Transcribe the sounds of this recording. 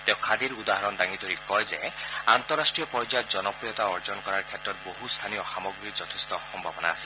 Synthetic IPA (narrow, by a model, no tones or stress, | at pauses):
t̪eʊ̃kʰad̪iɾud̪aɦaɾɔnd̪aŋid̪ʱoɾikɔjzeant̪ɔɾːasʈɾijɔpɔjd͡ʒad͡ʒɔnɔpɾijɔt̪aɔɾd͡ʒɔnkɔɾaɾkʰet̪ɾɔt̪̚boɦust̪ʰanijɔxamɔɡɾid͡ʒɔt̪ʰest̪ɔxɔmbʱabɔna̰ːsi̥